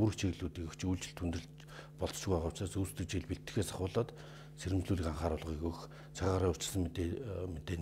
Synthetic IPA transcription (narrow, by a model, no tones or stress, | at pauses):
uɾɘ̆xt͡ɕʰiɣɮuːt̪iːkɘkt͡ɕʰujɮt͡ɕɪ̆ɮt̪ʰunt̪rɘ̆ɮt͡ɕ | pɔɮt͡sʃɣuaʁʊːw̥t͡ɕaːsust̪ʰɘ̆k̚t͡ɕeɮpiɬt̪ɘ̥̆xeːsaχʊːɮɔːt̪ | seɾɘ̆mt͡ɕɮuːɮĭːkaɴχaːɾʊɮʁiːɣujx | t͡sʰaʁaːɾiːŋʊt͡ɕɪ̆ɮsə̆ŋmet̪eː